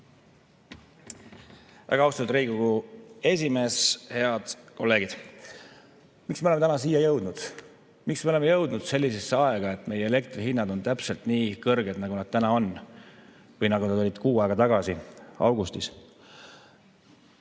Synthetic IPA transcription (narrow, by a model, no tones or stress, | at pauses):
vʔæ̰ɡɑɑwst̪ɑt̪ːd̪riːɡ̥uɡue̞s̬ʲime̞ːshe̞ɑd̪̥ko̞lːe̞ːɡ̥id̪̥ | miksmeoemeænɑs̬iːjɑjɤwd̪̥nud̪̥ | miksmeolemejɤwd̪nud̪̥se̞lʲːise̞sːeɑeɡ̥ɑe̞t̪ːˑme̞jeele̞k̚t̪riɦinːɑd̪̥o̞nt̪æpselt̪niːkɤrɡed̪nɑɡunɑd̪̚t̪ænɑo̞n | vɤjnɑɡunɑd̪olʲid̪̥kuːɑˑeɡ̥ɑt̪ɑɡ̥ɑsiɑwɡ̥ust̪is